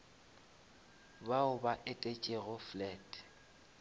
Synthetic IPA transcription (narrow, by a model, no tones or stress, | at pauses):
baʊbaʔetʼet͡ʃʼɪɣʊflɛd